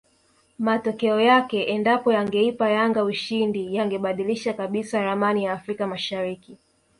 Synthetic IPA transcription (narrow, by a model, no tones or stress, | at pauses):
matɔkɛɔjakɛʔɛndapɔjaŋɡɛipajaŋɡauʃindijaŋɡɛɓaɗiliʃakaɓisaɾamanijaːfɾikamaʃaɾiki